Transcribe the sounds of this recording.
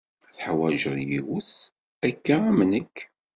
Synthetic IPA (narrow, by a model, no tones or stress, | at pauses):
θħwæʒəɾˤjiwʊθ | ækːaæmnəkː